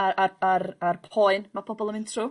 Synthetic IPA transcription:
aaaɾarpʰɔɨnmapʰɔbɔlˠəmɪntʰruː

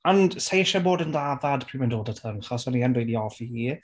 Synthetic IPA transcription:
ansejʃaboːdəndaðad̥pʰriːmɪndoːlˠdətʰəŋχɔsɔniɛnwejdiɔfihiː

